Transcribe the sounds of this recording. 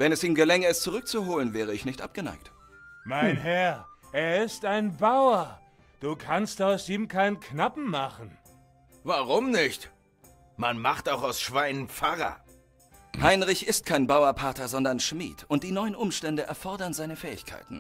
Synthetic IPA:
vɛnɛsiːmɡəlɛŋəɛstt͡suʁʏk̚t͡suɦoːlənvɛːʁ̞əɪçnɪçtʔa̰p̚ɡ̥əna̰ɪk̚t | maɪnɦɛɐʔeːɐɪstaɪnbaʊɐ | d̥uːkʰanstaʊsʔiːmkʰaɪnənkʰnapm̩maχn̩ | vaʁʊmnɪçt | manmaχtaʊxaʊsʃv̥aɪnənp͡faʁɐ̰ | haɪnʁɪçɪst̚kʰaɪnbaʊɐpʰaɐtɐzɔndɐnʃmḭːtʰʊnt̚d̥iːnɔʏənʔʊmʃtɛndəʔɛ̰ɐfɔɐdɐnzaɪnəfɛːɪçkʰa̰ɪtn̩

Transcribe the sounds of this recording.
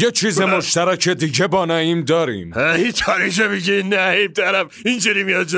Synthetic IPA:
jet͡ʃʰiːzemoʃt̪æɾæcʰed̪iɟebɒːnɒːiːmd̪ɒːɾḭːmæit̪ʰɒːɾiʃ̬emiɡeinːæib̚t̪ʰæɾæmind͡ʒiɾimijɒd͡ʒ

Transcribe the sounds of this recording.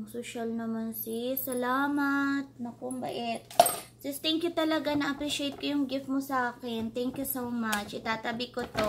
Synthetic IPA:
ŋsoʃɐlnɐmansisɐlaːmɐt̪̚nɐkʊmbɐ̰ʔɛt̪̚ | d͡ʒɐst̪ɛŋkjʊt̪ɐlɐɡanɐʔɐpɾiʃejt̪̚kojʊŋɡɪft̪̚mʊsɐʔaːkɛnt̪ɛŋkjʊsowmat͡ʃʔɪt̪aːt̪ɐbɪkot̪o

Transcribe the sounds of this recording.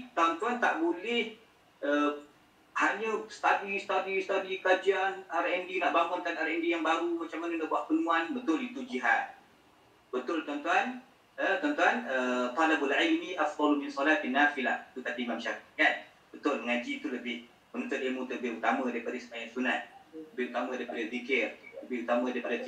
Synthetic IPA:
t̪awant̪uant̪a̰ʔbolɛh | ə | haɲəsə̥t̪adist̪adist̪adikad͡ʒianaɾʔɛndinaʔbamʊnt̪anaɾaʔɛndijaŋbaɾumat͡ʃamːanəndabuaʔpənũanbət̪ʊlit̪ud͡ʒiɦat̪̚ | bət̪ʊlt̪aant̪uan | ət̪ɔnt̪uanəp̪alabulʕajniʔafd̪ˤɑlumɪnsɔlat̪anːafilahit̪ut̪adiːmamʃakiŋat̪̚ | b̥ət̪ʊlməŋad͡ʒit̪uləbɪh | mənunt̪ʊt̪ilmũt̪əbɪɦut̪amədaipadasə̥majaʔsunat̪̚ləbɪhut̪amə̃daipadad̪ikɪrləbɪhut̪amə̃daɾipada

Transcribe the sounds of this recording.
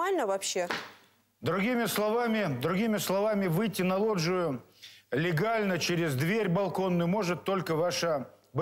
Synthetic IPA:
alʲnəvɐpɕːe | d̪ɾʊɡʲimʲɪslˠɐvamʲɪd̪ɾʊɡʲimʲɪslˠɐvamʲɪvɨjtʲːɪnɐlˠo̞ʐʊjʊlʲɪɡalʲnət͡ɕeɾʲɪzd̪vʲeɾʲbɐlˠko̞nːʊjʊmo̞ʐɨt̪ːo̞lʲkəvaʂə | b

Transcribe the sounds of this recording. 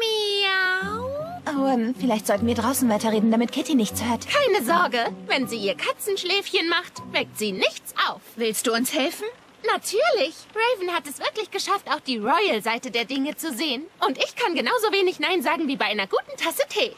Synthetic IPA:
ma | ʔoanfɪlaɪçtz̥ɔltn̩viːɐdʁaʊsn̩vaɪtɐʁeːdn̩damɪt̚kʰɪtinɪçt͡shøːɐtkʰaɪnəzɔɐɡəvɛnziːɐkʰat͡sn̩ʃlɛːfçənmaχtv̥ɛk̚tz̥iːnɪçt͡sʔaʊfv̥ɪlstd̥uːʊnshɛlfn̩ | natʰyːɐlɪçʁeɪvn̩hatɛsv̥ɪɐklɪçɡ̥əʃaftaʊxd̥iːʁɔʏəlzaɪtədeːɐdɪŋət͡suzeːənʔʊntʔɪçkʰanɡənaʊzoːveːnɪçnaɪnzaːɡŋ̩viːbaɪʔaɪnɐɡuːtn̩tʰasətʰeː

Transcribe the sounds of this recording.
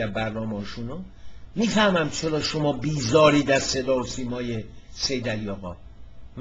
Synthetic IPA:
æbæɾnɒːmɒːʃuno | miːfæhmæmt͡ʃʰelɒːʃomɒːbiːzɒːɾiːd̪æse̞d̪ɒːosiːmɒːjese̞jd̪ælijɒːɣɒ̰ː | m

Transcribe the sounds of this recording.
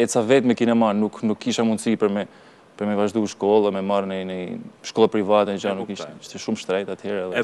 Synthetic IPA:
ɛsavɛt̪mɛkinɛmanuknukːiʃamunsipəɾmɛ | pəɾmɛvaʒd̪uʃkɔlˠamɛmaɾnɛnɛʃkɔlˠapɾivat̪ɛd͡ʒanukːiʃiʃt̪ɛʃumʃt̪ɾɛjt̪at̪hɛɾɛðɛ

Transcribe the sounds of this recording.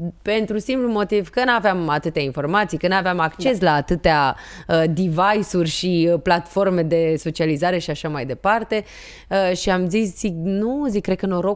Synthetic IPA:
pe̞nt̪ɾusimplumo̞t̪ivkənaveamat̪ɨt̪eainfo̞rmat̪sijkənaveamakt͡ʃe̞slaːt̪ɨt̪ea | əd̪ivajsurʲʃiplat̪fo̞rme̞d̪e̞so̞t͡ʃializaɾe̞ʃiaʃamajd̪e̞part̪e̞ | əʃiamzisziknuzik̚ːɾe̥kəno̞ɾo̞

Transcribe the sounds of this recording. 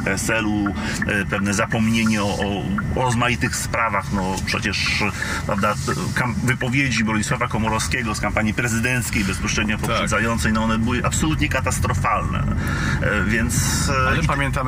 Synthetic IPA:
pɛsɛlu | pɛvnɛzapɔmɲeɲɛɔʔɔɾɔzmajit̪ɘxspɾavaxnɔpʂɛ̰t͡ɕɛʂpɾʔa̰vd̪a | kamvɘpɔvʲjed͡ʑibɔɲiswavakɔmɔɾɔfskʲɛɡɔskampaɲipɾɛzɘd̪ɛnt̪skʲejbɛspɔɕɾɛd̪̚ɲɔpɔɛd̪zajɔnt̪sɛjnɔɔnɛbɘwɘʔapsɔlut̪ɲɛkat̪ast̪ɾɔfalnɛ̰ | vʲjɛnt̪sɛpamʲjɛ̃nt̪am

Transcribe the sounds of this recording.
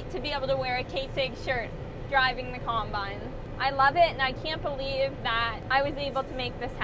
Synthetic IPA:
tʰɨbieɪbl̩ˠtʰəwɛɹɨkʰeɪtsɪɡ̥ʃɜ˞t̚ | d̥ɹaɪvɪ̃ŋðɨkʰɑ̃mbãɪ̃nz | ʔaɪlʌvɪtɨ̃naɪkʰæ̃nb̥əlivðəɾaɪwʌzeɪbl̩ˠtʰəmeɪk̚ðɪsh

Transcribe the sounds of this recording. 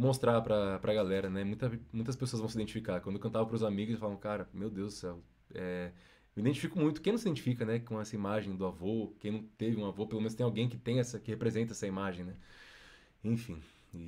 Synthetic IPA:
most̪ɾapɾɐpɾʔɐɡalɛɾɐnɛmũj̃t̪ɐmũj̃t̪ɐspesoɐzvɐ̃w̃sid̪ẽnt͡ʃifikakɐ̃d̪okɐ̃nt̪avɐ̃pɾʊzamiɡʊzsɪfalavʊkaɾɐmewd̪ewzʊsɛw | ɛ | mid̪ẽnt͡ʃifikʊmũj̃t̪ʊkẽnɐ̃sid̪ẽnt͡ʃifikɐnɛkõɛsɐimaʒẽj̃d̪ʊavokẽj̃nɐ̃w̃t̪evɪũavopelomẽnʊst̪ẽawɡẽj̃kɪ̥t̪ẽj̃ɛsɐkɪhepɾezẽnt̪ɐɛsɐimaʒẽj̃nɛ | ẽfḭ̃ | ɪ

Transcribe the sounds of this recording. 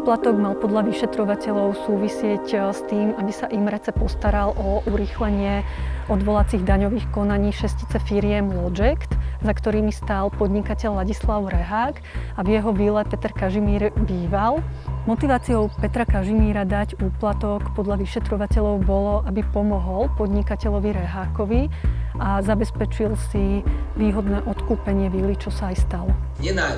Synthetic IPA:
uːplat̪ɔɡmalˠpɔd̪ʎaʋiʃɛt̪ɾɔʋacɛʎɔʊsuːʋisɪɛcst̪iːmabisaʔimɾɛt͡sɛpɔst̪aɾalʔɔʔuɾiːxlɛɲɪɛɔd̪ʋɔlat͡siɣd̪aɲɔʋiːxkɔnaɲiːʃɛsci̥t͡sɛfiɾɪjɛmlɔd͡ʒɛkt̪zakt̪ɔɾiːmist̪aːlpɔd̪ɲikacɛʎlaɟislaʊɾɛɦaːk | avijɛɦɔbilɛpɛt̪ɛɾkaʒimiːɾbiːʋalmɔt̪iʋaːt͡sijɔʊpɛt̪ɾakaʒimiːɾad̪aɟuːplat̪ɔkpɔd̪ʎaʋiʃɛt̪ɾɔʋacɛʎɔʊbɔlɔʔabipɔmɔɦɔlpɔd̪ɲikacɛʎɔʋiɾɛɦaːkɔʋiazabɛspɛt͡ʃilsiʋiːɦɔd̪nɛːʔɔt̪kuːpɛɲɪɛʋilit͡ʃɔsaːjst̪alɔ | ɛna

